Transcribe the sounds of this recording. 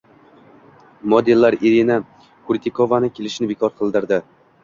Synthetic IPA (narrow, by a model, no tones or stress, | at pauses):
mod̪elːaɾiɾina | kʰuɾʲt̪ʰikʰovanɪkʲʰelɪʃnɪbekʰɒɾqʰɨlˠd̪ɪɾd̪ɪ